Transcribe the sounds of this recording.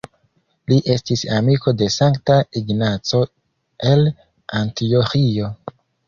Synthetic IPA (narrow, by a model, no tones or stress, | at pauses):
liʔe̞stisamiko̞de̞saŋktaiɡnat͡so̞ | e̞l | antioxio̞